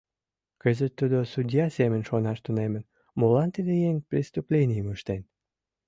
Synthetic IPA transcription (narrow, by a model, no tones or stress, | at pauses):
kə̆zət̪ːud̪osud̪ʲjɑsemənʃonɑʃt̪unemə̆n | molɑnt̪id̪ejeŋprʲist̪uplʲenʲijəməʃt̪en